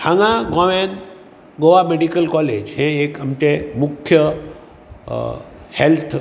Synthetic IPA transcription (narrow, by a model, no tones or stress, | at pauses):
hãŋãɡɔːʋẽːn | ɡoʋameɖikəlkɔːleːd͡ʒɦẽeːkɐmt͡ʃemʊkʰjə | helt̪ʰ